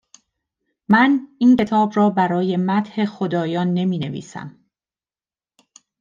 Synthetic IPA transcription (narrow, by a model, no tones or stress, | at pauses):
mænince̞t̪ʰɒːbrɒːbæɾɒːje̞mæt̪he̞xod̪ɒːjɒːnːe̞miːne̞vḭːsæ̰m